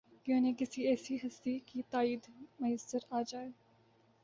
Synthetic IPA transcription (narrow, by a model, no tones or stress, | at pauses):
kjõːnekɪsiɛːsiɦɐst̪ikit̪aːiːd̪mɐjəsːəɾaːd͡ʒaːeː